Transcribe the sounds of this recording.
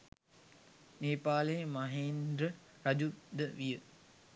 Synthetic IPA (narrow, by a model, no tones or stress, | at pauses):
neːpaːləmaɦeːnd̪ɾə | ɾad͡ʒud̪əʋijə